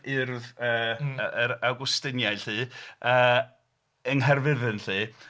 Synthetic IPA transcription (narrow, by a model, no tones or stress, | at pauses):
ɪrðəːəɾaɡʊstɪnjajɬiːəː | əŋɦɛrvɨðɨnɬiː